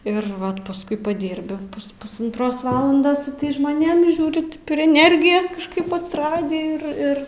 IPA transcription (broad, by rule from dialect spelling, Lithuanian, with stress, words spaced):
ɪr ˈʋɐt pɐsˈkʊɪ pɐˈdʲiːrʲbʲɪ pʊs pʊsɐntˈroːs ˈʋɑːlˠɐndoːs sʊ ˈtɐɪs ʒmoːˈnʲeːm ɪ ˈʒʲuːrʲɪ pʲrʲɪ ɛˈnʲɛrʲɡʲɪjɛs kɐʃˈkɐɪp ɐtʲsʲɪˈrɑːdʲiː ɪr ˈɪr